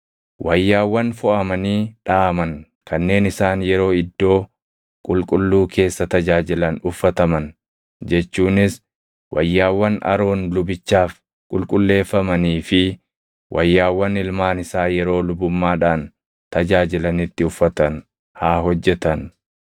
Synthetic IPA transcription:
wʔɐjːaːwːɐnfʊʔɐmɐniːᶑaːmɐŋ | kɐnːe̞ːnɪsaːnjɛɾo̞ːɪd̪ːo̞ː | kʼʊlkʼʊlːuːkʰe̞ːsːɐt̪ɐd͡ʒaːd͡ʒɪlɐnʊfːɐt̪ɐmɐn | d͡ʒɛt͡ʃːuːnɪs | wʔɐjːaːwːɐnɐ̰ɾo̞ːnlʊbɪt͡ʃːaːf | kʼʊlkʼʊlːe̞ːfːɐmɐniːfɪ | wʔɐjːaːwːɐnɪlmaːnɪsaːjɛɾo̞ːlʊbʊmːaːᶑaːn | t̪ɐd͡ʒaːd͡ʒɪlɐnɪt̪ːɪʊfːɐt̪ɐn | haːɦɔd͡ʒːɛt̪ɐn

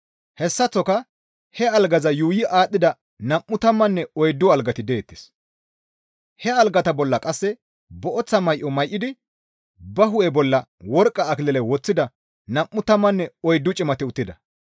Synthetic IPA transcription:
hɛsːɐt͡sːɔkɐ | hɛɐlɡɐzɐjuːjɪʔaːɗːɪd̪ɐ | nɐmːʊt̪ɐmːɐnːɛɔjd̪ːʊɐlɡɐt̪ɪd̪eːt̪ːɪ̥s | hɛɐlɡɐt̪ɐbɔlːɐkʼɐsːɛ | bɔʔɔt͡sːɐmɐjʔɔmɐjʔːɪd̪ɪ | bɐɦʊʔɛbɔlːɐwɔɾkʼːɐːklɛlɛwɔt͡sːɪd̪ɐ | nɐʔːʊt̪ɐmːɐnːɛɔjd̪ːʊt͡ʃʼɪmɐt̪ɪʊt̪ːɪd̪ɐ

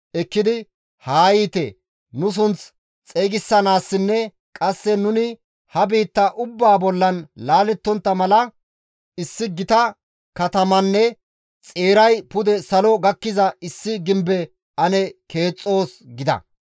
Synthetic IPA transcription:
ʔɛkːɪd̪ɪ | haːjiːt̪ɛ | nʊs̬ʊnt͡s | t͡sʼeːɡɪsːɐnaːsːɪnːɛ | kʼɐsːɛnʊnɪ | hɐbiːt̪ːɐʔʊbːaːbɔlːɐnlaːlɛt̪ːɔnt̪ːɐmɐlɐ | ɪsːɪɡɪt̪ɐ | kɐt̪ɐmɐnːɛ | t͡sʼeːɾɐjpʊd̪ɛsɐlɔɡɐkːɪzɐɪsːɪɡɪmbɛ | ɐnɛke̞ːt͡sʼːo̞ːsɡɪd̪ɐ̰

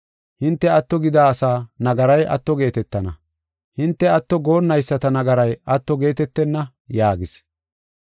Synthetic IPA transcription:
hɪnt̪ːɛɐt̪ːɔɡɪd̪aːɐsaːnɐɡɐɾɐjʔɐ̰t̪ːɔɡe̞ːt̪ɛt̪ːɐnɐ̰ | hɪnt̪ːɛɐt̪ːɔɡo̞ːnːɐjsːɐt̪ɐnɐɡɐɾɐjɐt̪ːɔɡe̞ːt̪ɛt̪ːɛnːɐ | jaːɡɪs

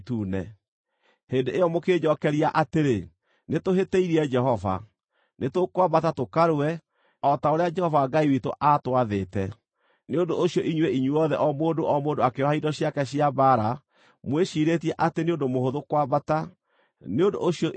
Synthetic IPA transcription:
tunɛ̰ | heːndeeɔmoked͡ʑɔkɛɾiaʔateɾe | netoɦetɛiɾiɛd͡ʒɛhɔva̰ | netokwabatatokaɾwɛ | ɔtaoɾead͡ʒɛhɔvaːɡaiwitoʔatwaðeːtɛ | neondooɕiɔʔiɲwɛiɲwɔðɛʔɔmoːdoʔɔmoːndoakeɔhaidɔɕjakɛɕiabaɾa | mweʃiɾetiɛʔateneondomohoðokwabata | neondo̰oɕiɔ

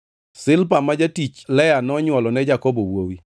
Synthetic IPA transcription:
sɪlpamad͡ʒatit͡ʃlɛjanɔɲwɔlɔnɛd͡ʒakɔbowowi

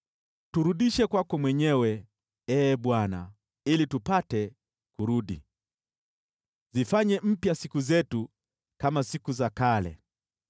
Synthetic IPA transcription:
tuɾuɗiʃɛkwakɔmwɛɲɛwɛ | ɛːɓwana | ilitupatɛ | kuɾuɗḭ | zifaɲɛm̩pjasikuzɛtu | kamasikuzakalɛ̰

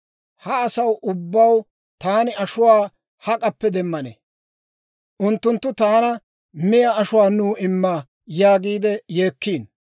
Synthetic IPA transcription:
hɐːsɐwʔʊbːɐw | t̪aːnɪɐʃʊwaː | hɐkʼɐpːɛd̪ɛmːɐnḛ | ʔʊnt̪ːʊnt̪ːʊt̪aːnɐ | mɪjaɐʃʊwaːnuːɪmːɐ | jaːɡiːd̪ɛje̞ːkːiːn

